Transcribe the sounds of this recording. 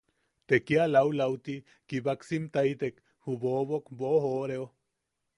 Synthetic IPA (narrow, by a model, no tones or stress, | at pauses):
t̪ekialawlawt̪i | kibaksimt̪ajt̪ek | hubobokboɦoɾeo